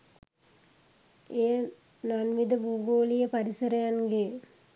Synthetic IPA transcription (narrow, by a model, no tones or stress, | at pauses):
eː | nanʋid̪əbuːɡoːlijəpaɾisɐɾɐjanɡe